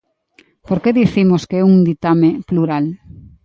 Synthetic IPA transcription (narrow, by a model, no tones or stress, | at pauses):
poɾkeðiθimoskeɛuŋd̪it̪amepluɾal